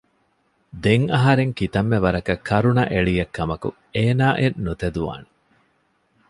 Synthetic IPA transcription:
d̪eŋɐɦɐɾeŋkit̪ɐmːeʋɐɾɐkɐkʰːɐɾunɐʔeɭijɐkːɐmɐkṵ | eːnaːʔenːut̪ed̪uʋa̰ːne

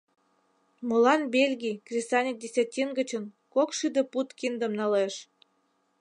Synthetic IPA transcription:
molɑnbelʲɡʲikrʲisɑnʲik̚dʲesʲɑtʲinɡə̆t͡ɕən | kokʃid̪ə̆put̪kind̪ə̆mnɑleʃ

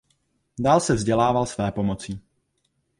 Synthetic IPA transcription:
daːlsɛvzɟɛlaːvalsvɛːpo̞mo̞t͡siː

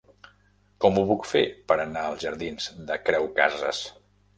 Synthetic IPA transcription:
kɔmuβukfepəɾənaəlˠzʒəɾðinzd̪əkɾɛwka̰zə̰s

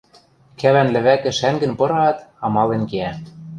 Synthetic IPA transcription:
kæβænlɘ̆βækɘ̆ʃæŋɡɘ̆npɤ̆ɾɑːt̪ɑmɑlenkeæ

